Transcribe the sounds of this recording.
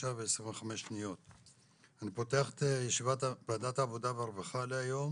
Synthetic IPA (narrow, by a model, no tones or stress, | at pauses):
aveesʁĩɱveχameʃnijo̞t̪ | anipo̞teaχe̥t̪ejeʃivatblad̪at̪aːvo̞d̪aveaʁvaχaleajo̞m